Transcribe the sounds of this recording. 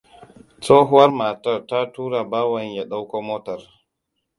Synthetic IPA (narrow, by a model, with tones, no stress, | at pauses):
soː˦ɦʊ˦wɐ˦ɾma˨ta˦ta˦tuː˦ɾa˨baː˦wa˨nja˨ɗa˦wkoː˦moː˦tɐ˨r